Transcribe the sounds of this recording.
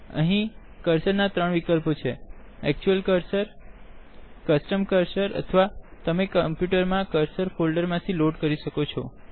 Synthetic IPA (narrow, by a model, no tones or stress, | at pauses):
ə̰ɦĩ | kəɾsəɾnat̪ɾəɳ̃ʋikəlpot͡ʃʰeɛk̚t͡ʃuəlkəɾsəɾ | kəsʈəmkəɾsəɾə̰t̪ʰəʋat̪əmekəmpjuʈəɾmãkəɾsəɾfʰolɖəɾmãt̪ʰiloɖkəɾiʃəkot͡ʃʰɔ